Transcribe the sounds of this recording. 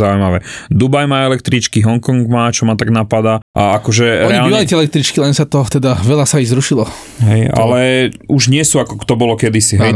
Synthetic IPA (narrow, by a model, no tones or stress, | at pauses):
aujmaʋɛd̪ubajmaːɛlɛk̚t̪ɾit͡ʃkiɦɔŋkɔŋɡmaːt͡ʃɔmat̪aɡnapad̪aʔaakɔʒɛɾɾɛɲaliːʋalitɛɛlɛk̚t̪ɾit͡ʃkilɛnsat̪ɔt̪ɛd̪aʋɛlasaizɾuʃilɔ | ɦɛja̰lɛuʒɲɪɛsuakɔkt̪ɔbɔlɔkɛd̪isiɦɛj